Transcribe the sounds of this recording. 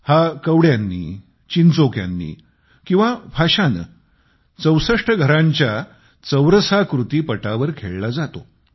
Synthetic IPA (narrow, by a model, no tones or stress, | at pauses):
hakəwɽjanːḭː | t͡ɕint͡sokja̰nːḭː | kĩw̃ʋabʱaɕanə̰ | t͡səwsəʂʈʰəɡʱəɾãɲt͡ɕja | t͡səwɾəsakɾut̪iːpəʈaʋəɾkʰeɭlad͡zat̪o